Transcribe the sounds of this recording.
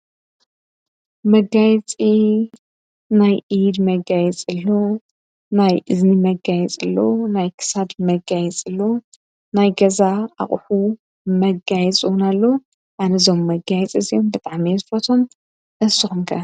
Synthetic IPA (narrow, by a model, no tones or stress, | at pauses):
mɐɡajt͡sʼi | najʔid̪mɐɡajɛt͡sʼɨlːo̞ | najʔɨznimɐɡajɛt͡sʼɨlːo̰najkʰɨ̥sad̪mɐɡajɛt͡sʼɨlːo̞ | najɡɐzaa̰χʼħu | mɐɡajɛt͡sʼɨwnalːo | ʔanɐzo̞mːɐɡajɛt͡sʼɨzijombɨt̪ʼaʕmizɨfɐt̪ʰo̞m | ʔɨsɨxumkʰɐ